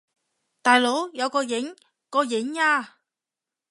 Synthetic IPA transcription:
t̪aː˨jlo˨˥wjɐ˨˧wkɔː˧jɪ˨˥ŋ | kɔː˧jɪ˨˥ŋaː˧

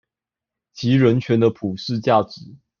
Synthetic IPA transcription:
t͡ɕʰi˧˥ɻə˧˥nt͡ɕʰɥɛ˧˥nd̪ə˧pʰu˨˩ʂɻ̩˥˧t͡ɕja˥˩ʈ͡ʂɻ̩˨˦

